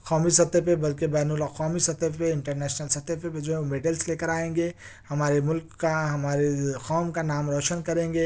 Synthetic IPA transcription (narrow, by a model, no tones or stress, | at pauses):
kɔːmisɐt̪ːepebɐlkebɛːnuləxɔːmisɐt̪epeɪ̃ɳʈəɾnɛːʃnəlsɐt̪epeped͡ʒoɦɛ̃omeɖəlsleːkəɾaːẽːŋɡeː | hɐmaːɾemʊlkːaɦɐmaːɾexɔːmkanaːmɾɔːʃənkɐɾẽːŋɡeː